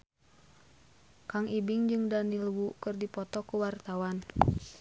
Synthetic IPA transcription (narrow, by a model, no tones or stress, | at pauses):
kaŋʔibiŋd͡ʒɨŋdanilwukɨrdipɔt̪ɔkuwart̪awan